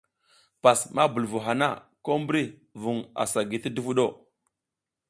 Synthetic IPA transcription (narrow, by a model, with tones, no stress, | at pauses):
pa˨sma˦bu˨lvu˨ɦa˨na˦˨ko˦mbɾi˦vu˨ŋa̰˨sa˨ɡi˨tə˦du˦vu˦ɗo˦˨